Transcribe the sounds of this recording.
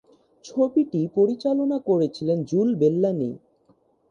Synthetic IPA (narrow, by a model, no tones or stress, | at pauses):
t͡ɕʰobiʈipoɾit͡ɕalonakoɾet͡ɕʰilend͡ʑulbelːani